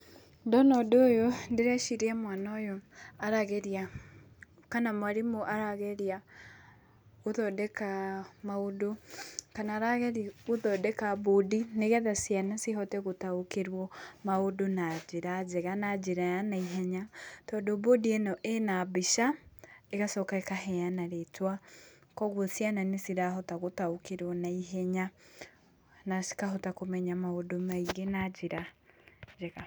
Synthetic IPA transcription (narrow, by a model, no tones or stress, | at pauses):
dɔnɔdoːjondeɾɛʃiɾiɛmwanɔjɔaɾaɣɛɾja | kanamwaɾimoʔaɾaɣɛɾia | oðɔdɛkamaodokanaːɾaɣɛɾioðɔdɛkabodineɣɛðasjanasiɦɔtɛɣotaokeɾwɔmaodonad͡ʒeɾad͡ʒɛɣanad͡ʒeɾajanaiɦɛɲatɔːdobodienɔʔenabiʃaeɣasɔkaekaɦɛanaɾetwa | kɔɣwɔsjananesiɾaɦɔtaɣotaokeɾwɔnaiɦɛɲa | naskaɦɔtakomɛɲamaodomaiɡenad͡ʒiɾa | d͡ʒɛɣa